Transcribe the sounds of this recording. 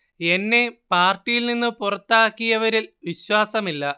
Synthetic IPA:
e̞nːe̞paːrʈːijilninːɨpurɐt̪ːaːkːijɐʋɐɾilʋiɕwaːsɐmilːɐ

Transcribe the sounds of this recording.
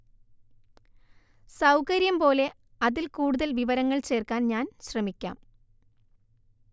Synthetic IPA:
sɐwkɐɾjɐmpo̞ːle̞ | ɐðilkuːɽuðɐlʋiʋɐɾɐŋːɐɭt͡ɕe̞ːrkaːnɲaːnɕrɐmikʲːa̰ːm

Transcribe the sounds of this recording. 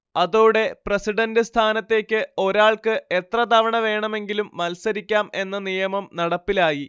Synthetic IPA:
ɐðuːɽe̞prɐsiɖɐndɨst̪ʰaːnɐt̪ːe̞ːkʲːɨo̞ɾaːɭkɨe̞t̪rɐt̪ɐʋɐɳɐʋe̞ːɳɐme̞ŋɡilumːɐlsɐɾikʲːaːme̞nːɐnijɐmɐmnɐɽɐpːilaːji

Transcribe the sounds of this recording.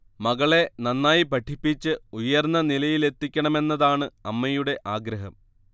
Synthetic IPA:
mɐɣɐɭe̞nɐnːaːjipɐʈʰːipːit͡ɕːɨujːɐrnːɐnilɐjile̞t̪ːikʲːɐɳɐme̞nːɐðaːɳɨɐmːɐjuɽe̞ʔaːɡɾɐɦɐm

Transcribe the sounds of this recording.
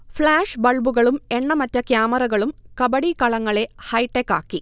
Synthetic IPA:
fɭaːʂbɐɭbuɣɐɭume̞ɳːɐmɐtːɐkjaːmɐrɐɣɐɭumkɐbɐɽikɐɭɐŋːɐɭe̞hɐjʈːekːaːkːi

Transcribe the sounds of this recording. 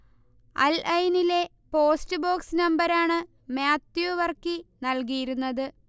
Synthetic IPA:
ɐ̰lɐjnile̞ | po̞ːstɨbo̞ːksnɐmbɐɾaːɳɨ | maːt̪juʋɐrkinɐlk̬ijiɾunːɐðɨ

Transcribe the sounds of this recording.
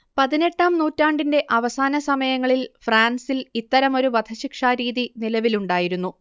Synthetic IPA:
pɐðine̞ʈːaːmnuːtːaːɳɖinde̞ʔɐʋɐsaːnɐsɐmɐjɐŋːɐɭilfraːnsilit̪ːɐɾɐmo̞ɾuʋɐd̪ʱʰɐɕikʂaɾiːðinilɐʋiluɳɖaːjiɾunːu

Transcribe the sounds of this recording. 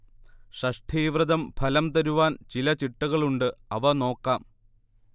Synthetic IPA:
ʂɐʂʈʰiːʋrɨd̪ɐmpʰɐlɐmt̪ɐɾuʋaːnt͡ɕilɐt͡ɕiʈːuɣɐɭuɳɖɨɐʋɐno̞ːkːaːm

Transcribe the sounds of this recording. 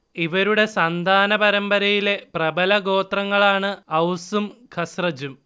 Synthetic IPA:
iʋɐɾuɽe̞sɐnd̪ʱaːnɐbɐɾɐmbɐɾɐjile̞prɐbɐlɐɡo̞ːt̪rɐŋːɐɭaːɳɨɐwsumkʰɐsrɐd͡ʑum

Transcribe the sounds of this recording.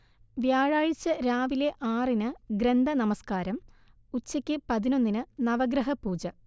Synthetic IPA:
ʋjaːɻaːɻit͡ɕːɐɾaːʋile̞ʔaːrinɨɡɾend̪ʱɐnɐmɐskaːɾɐm | ut͡ɕːɐkʲːɨpɐðino̞nːinɨnɐʋɐɡɾɐɦɐpuːd͡ʑɐ

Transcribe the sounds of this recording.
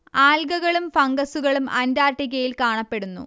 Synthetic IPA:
aːlɡɐɣɐɭumfɐŋɡɐsuɣɐɭumɐ̰ndaːrʈːiɣɐjilkaːɳɐpːe̞ɽunːṵ

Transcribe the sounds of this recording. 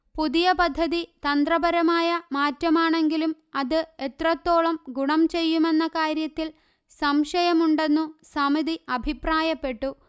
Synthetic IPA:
puðijɐpɐd̪ʱːɐðit̪ɐnd̪rɐbɐɾɐmaːjɐmaːtːɐmaːɳe̞ŋɡilum | ɐðɨe̞t̪rɐt̪ːo̞ːɭɐmɡuɳɐmt͡ɕe̞jːume̞nːɐkaːɾjɐt̪ːil | sɐmʂɐjɐmuɳɖe̞nːusɐmiðiʔɐbʱipraːjɐpːe̞ʈːu

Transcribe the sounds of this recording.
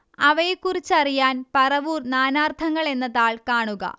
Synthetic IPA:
ɐʋɐjekːurit͡ɕːɐrijaːnpɐrɐʋuːrnaːnaːrt̪ʰɐŋːɐɭe̞nːɐðaːɭkaːɳuɣɐ̰

